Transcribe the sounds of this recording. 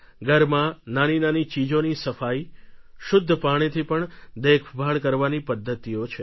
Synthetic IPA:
ɡəɾmãnaninanit͡ʃid͡ʒonisəfaiʃʊd̪ʱːəpaɽ̃et̪ʰipəɳd̪ekʰbʱaɭkəɾʋanipəd̪ʱːət̪iot͡ʃʰe

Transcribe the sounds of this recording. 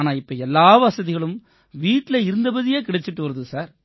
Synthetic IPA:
naːlɪpːɐɛlːaːʋɐsɐðɪɣɐɭɯm | ʋiːʈːɪlɐɪɾɯnd̪ɐbɐðɪjeːkɪɽɐt͡ʃːɪʈːɯʋɐɾɐðɯsaːɾ

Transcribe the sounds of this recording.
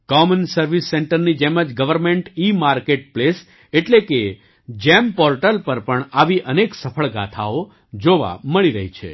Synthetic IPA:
kɔmənsəɾʋisːeɳʈəɾnid͡ʒeməd͡ʒɡəʋəɾmẽɳʈimaɾkeʈ̚ples | eʈleke | d͡ʒɛmpɔɾʈəlpəɾpəɳaʋiʔəneksəpʰəɭɡat̪ʰao | d͡ʒoʋa̰məɭiɾəɦit͡ʃʰḛ

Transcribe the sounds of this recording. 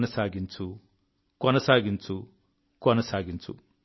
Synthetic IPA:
nɐsaːɡint͡su | kɔnɐsaːɡint͡su | kɔnɐsaːɡint͡sṵ

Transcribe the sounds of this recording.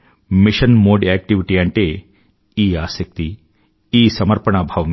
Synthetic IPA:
miʃɐnmoːɖiɛk̚ʈiʋiʈiaɳʈe | iːaːsɐk̚t̪i | iːsɐmɐɾpɐɳaːbʱaːʋɐm

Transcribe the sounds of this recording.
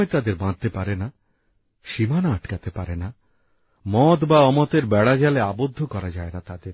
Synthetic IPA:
et̪ad̪eɾbãnt̪epaɾena | ʃimanaaʈkat̪epaɾena | mɔt̪baɔmɔt̪eɾbɛɽad͡ʒaleabod̪ʱːokɔɾad͡ʒaeɾat̪ad̪eɾ

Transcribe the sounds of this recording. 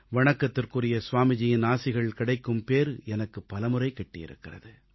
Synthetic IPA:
ʋɐɳɐkːɐt̪ːɪrkɯrɪjɐsʊʋaːmɪd͡ʒɪjɪnaːsɪɣɐɭkɪɽɐɪkːɯmpeːɾɛnɐkːɯpːɐlɐmɯrɐɪkːɐʈːɪjɪ̰ɾɯ̰kːɪrɐ̰ðɯ

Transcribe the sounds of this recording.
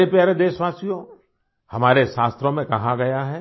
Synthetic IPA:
epjaːɾed̪eːʃʋaːsijõ | hɐmaːɾeʃaːst̪ɾõmẽkɐɦãɡɐjaɦɛː

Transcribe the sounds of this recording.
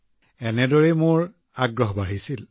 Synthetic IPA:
ɛnɛdɔɹɛmʊɹ | aɡɹɔɦbaɹisil

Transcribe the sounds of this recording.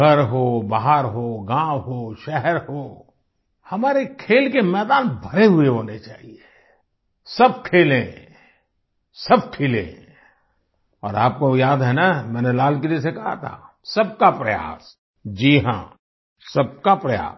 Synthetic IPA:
ɐɾɦobaɦaɾɦoːɡãːwɦoʃɛɦɛɾɦoː | hɐmaːɾekʰeːlkemɛːd̪aːnbʱɐɾeɦʊeɦoːnet͡ʃaːɦie | sɐb̚kʰeːlẽ | sɐb̚kʰeːlḛ̃ | ɔ̰ːɾaːp̚kojaːd̪ɦɛnamɛ̃ːnelaːlk̬elies̬ekɐɦa̰t̪ʰa̰ | sɐb̚kapɾɐja̰ːs | d͡ʒiːɦã̰ | sɐb̚kapɾɐja̰ː

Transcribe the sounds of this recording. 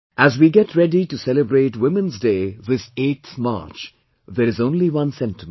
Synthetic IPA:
ʔæzwiɡɛʈʰɾɛɖiʈusɛləbɾeːʈwɪ̃mə̃nzdeːðɪseːʈθma̰ːɾt͡ʃ | ðəɾɨzõːnliwʌ̃nsɛ̃ntɪm

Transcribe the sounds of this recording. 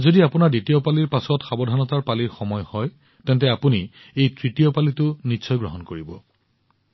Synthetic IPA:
zodiapʊnaɹditijɔpaliɹpasɔtxabɔdʱanɔtaɹpaliɹxɔmɔjhɔj | tɛntɛapuni | ejtɹitijɔpalitʊnisʰɔjɡɹɔɦɔnkoɹibɔ̰

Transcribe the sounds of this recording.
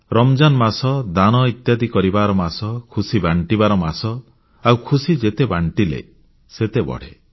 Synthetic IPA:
ɾɔmd͡ʒanmasɔd̪añɔit̪jad̪ikɔɾibaɾɔmasɔkʰusibaɳʈibaɾɔmasɔ | awkʰusid͡ʒet̪ebaɳʈilḛ | set̪ebɔ̰ɽ̤ḛ

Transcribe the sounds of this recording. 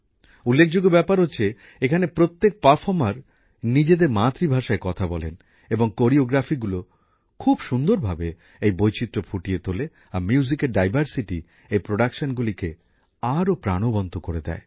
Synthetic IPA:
ulːek̚ʰd͡ʑoɡobɛpaɾɦotːɕʰe | ekʰanepɾot̪ːek̚paɾfʰɔɾmaɾ | nid͡ʑed̪eɾmat̪ːɾibʱaʃaekɔt̪ʰabɔlḛn | eboŋkoɾioɡɾafiɡulo | kʰubʃund̪oɾbʱabe | ejbojt͡ɕit̪ːɾopʰuʈijet̪ole | amjuzikeɾɖajbʱaɾsiʈi | ejpɾoɖakʃonɡulike | aɾopɾa̰ɽ̃obɔnt̪ʰokoɾed̪ɛ̰e

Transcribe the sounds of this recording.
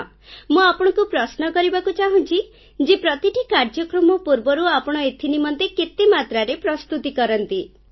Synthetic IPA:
mũapɔɽ̃ɔkupɾɔsnɔkɔɾibakut͡ʃaɦũnt͡ʃʰi | d͡ʒepɾɔt̪iʈikaɾd͡ʒɔkɾɔmɔpuɾbɔɾuapɔɽ̃ɔet̪ʰinimɔnt̪eket̪emat̪ɾaɾepɾɔst̪ut̪ikɔɾɔnt̪i

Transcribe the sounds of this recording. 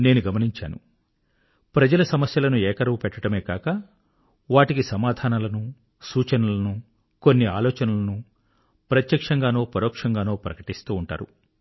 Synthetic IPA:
ne̞ːnuɡɐmɐniɲt͡ʃa̰ːnṵ | pɾɐd͡ʒɐlɐsɐmɐsjɐlɐnuɛːkɐɾɐʋupɛʈːɐʈɐme̞ːkaːkɐ | ʋaːʈikisɐmaːd̪ʱaːnɐlɐnu | suːt͡ʃɐnɐlɐnu | ko̞nːiaːlɔːt͡ʃɐnɐlɐnu | pɾɐt̪jɐkʂɐŋɡaːno̞ːpɐɾɔːkʂɐŋɡaːno̞ːpɾɐkɐʈist̪uːɳʈa̰ːɾṵ

